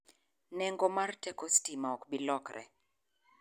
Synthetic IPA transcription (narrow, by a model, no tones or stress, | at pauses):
nɛŋɡɔmartɛkɔstimaɔkbilɔkɾɛ̰